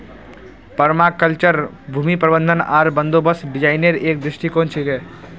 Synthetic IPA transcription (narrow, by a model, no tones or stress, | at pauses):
pɐɾmakəlt͡ʃəɾ | bʱuːmipɾəbə̃nd̪ʱəna̰ːɾbə̃nd̪oːbəsɖɪd͡ʒaːɪneɾeːkd̪ɾɪʃʈikõːnt͡ʃʰiɡɛː